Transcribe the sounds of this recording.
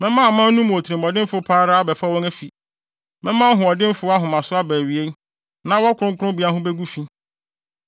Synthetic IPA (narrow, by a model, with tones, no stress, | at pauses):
mɛ̃˦mã˦˨mã˦n˦nũ˦mʊ̃˨o˨tʰɾĩ˨mɔ˨dɪ̃˦m̩˦fʊ˦pʰaː˦ɾa˦a˦bɛ˨fa˦wɔ̃˦ŋæ˦fi˨ | mɛ̃˦mã˦ɦʊ̃˨ɔ˨dɪ̃˦m˦fʊ˦a˦ɦʊ̃˨mã˨sʊ˦a˦bæː˨ɥi˨e˦n˦ | nã˦wɔ˦kʰʷʊ˦ɾʊ̃˦ŋkʰʊ̃˦bi˨˦a˦ɦʊ̃˦bɛ˦ɡu˦fi˦